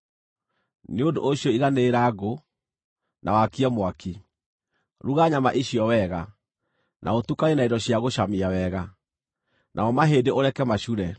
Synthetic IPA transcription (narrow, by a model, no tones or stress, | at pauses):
neondo̰ʔoɕjɔiɣaneːɾaɣo | nʔa̰wakiamwaki | ɾuɣaɲamaʔiɕiɔwɛːɣa | nʔa̰otukaenaidɔɕiaɣoɕamiawɛːɣa | nʔa̰ɔmaɦeːdeoɾɛkɛmaɕuɾɛ